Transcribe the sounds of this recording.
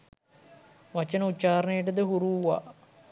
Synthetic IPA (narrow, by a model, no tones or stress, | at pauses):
ʋɐt͡ʃənəut̪ːt͡ʃaːɾnejəʈəd̪əɦuɾuːʋa̰